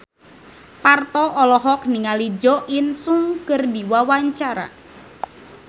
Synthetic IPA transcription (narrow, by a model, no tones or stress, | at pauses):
part̪ɔʔɔlɔɦɔk̚niŋalid͡ʒɔʔinsuŋkərdiwawaɲt͡ʃaɾa̰